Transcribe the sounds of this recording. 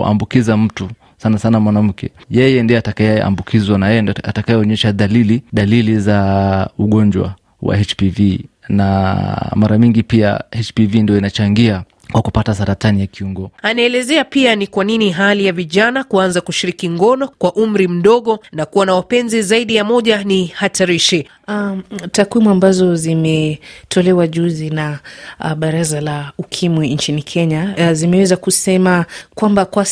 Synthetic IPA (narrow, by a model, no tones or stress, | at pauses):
a̰mbukizam̩tu | sanasanamwanam̩kɛjɛjɛndiɔatakaɛa̰mbukʰizwanajɛatakajɛɔɲɛʃaðaliliðalilizauɠɔɲd͡ʒwa̰ | wa̰hɛt͡ʃpivina̰maɾaɲiŋɡipia̰hɛt͡ʃpivindijɔinat͡ʃaŋɡia | kwakupatasaɾatanijakiuŋɡɔanaɛlɛzɛapianikwaniniɦalijaviʄanakuanzakuʃiɾikiŋɡɔnɔkwaʔum̩ɾim̩ɗɔɠɔnakuwanawapɛnzizaiɗijamɔʄanihatʰaɾiʃɛ | atakwimuambazɔzimɛtʰɔlɛwaʄuzinaɓaɾazalaukʰimwint͡ʃinikʰɛɲazimɛwɛzakusɛmakwambakwa